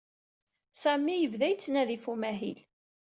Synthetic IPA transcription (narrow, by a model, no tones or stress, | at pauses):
sæmːijəvðæjt͡sːnæðifumæɦil